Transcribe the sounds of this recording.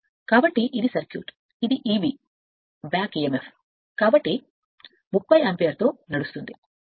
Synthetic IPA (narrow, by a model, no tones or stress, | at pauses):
kaːbɐʈːiʔid̪isɐɾkjṵːʈ | id̪iʔiːbiː | baːkiːemef | kaːbɐʈːi | mukbɐjɐmpejɐɾt̪o̞ːnɐɽust̪und̪i